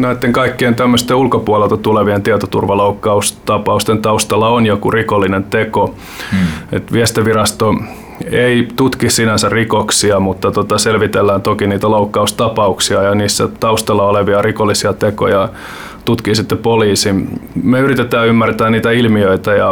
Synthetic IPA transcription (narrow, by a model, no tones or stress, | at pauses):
næet̪ːeŋkɑikːient̪æmːøst̪eulkopuɑlelt̪ɑt̪uleʋient̪iæt̪ot̪ṵrʋɑloukːɑust̪ɑpɑust̪ent̪ɑust̪ɑlːɑonjokurikolːinent̪eko | ḛt̪ʋiɛst̪iʋirɑst̪o | eit̪ut̪kissinænsærrikoksiɑmut̪ːɑt̪ot̪ɑselʋit̪elːæːnt̪okiniːt̪æloukːɑust̪ɑpɑuksiɑjɑniːsːæ̰t̪ɑust̪ɑlːɑoleʋiɑrikolːisiɑt̪eko̰jɑ | t̪ut̪kiːsit̪ːepoliːsimeyrit̪et̪æːymːært̪æːniːt̪æilmiøit̪æjɑ̰